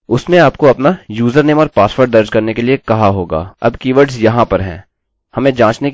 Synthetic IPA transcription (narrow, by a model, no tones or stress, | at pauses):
ʊsnẽaːpkoɐpnajuːzəɾneːmɔɾpaːsfəɾɖd̪ɐɾd͡ʒkɐɾnekeliekɐɦaɦoːɡa̰ːɐ̰bkiːʋəɾɖzjɐɦãpɐɾɦɛ̰̃ː | hɐmẽd͡ʒãːt͡ʃne